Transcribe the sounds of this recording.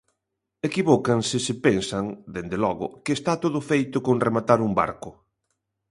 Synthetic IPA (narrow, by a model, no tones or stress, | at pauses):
ekiβɔkansɪsɪpensaŋd̪end̪elɔɣʊ̰kɪːst̪at̪oðʊfejt̪ʊkoŋremat̪aɾumba̰ɾkʊ